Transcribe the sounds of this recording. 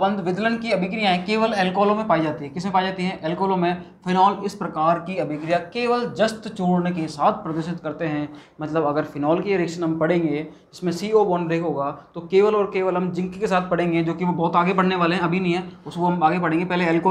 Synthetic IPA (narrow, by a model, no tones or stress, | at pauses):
bə̃nd̪ʋɪd̪lənkiɐbʱɪk̬ɾijaɦɛ̃keːʋəlɛːlkɔːlõmẽpaːid͡ʒaːt̪iɦɛ̃kɪsmẽpaːid͡ʒaːt̪iɦɛ̃ʔɛːlkɔːlõmẽfɪnɔːlɪspɾɐkaːɾkiɐbʱɪkɾijakeːʋəld͡ʒɐst̪t͡ʃuːɽnekesaːt̪̚ʰpɾɐd̪ɪʃɪt̪kɐɾt̪eɦɛ̃ːmɐt̪ləbɐɡəɾfɪnɔːlkieɾɪkʃənɦɐmpɐɽẽːŋɡeː | ɪsmẽsiːoːbɔnɾeːkɦoːɡaːt̪okeːʋəlɔːɾkeːʋəlɦɐmd͡ʒɪ̃ŋkkesaːt̪̚ʰpɐɽẽːŋɡed͡ʒoːkiʋobɔːt̪aːɡepɐɽneʋaːleɦɛ̃ɐbʱinɐɦĩɦɛ̃ːʊskoɦɐmaːɡepɐɽẽːŋɡepɛɦleɛːlkoː